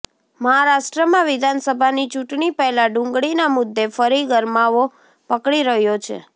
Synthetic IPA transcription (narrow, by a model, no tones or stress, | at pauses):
məɦaɾaʃʈɾəmãʋɪd̪ʱansəbʱanit͡ʃuʈɳipɛɦlaɖʊ̃ŋɡɭinamʊd̪ːefəɾiɡəɾmaʋo | pəkɽiɾəɦjot͡ʃʰḛ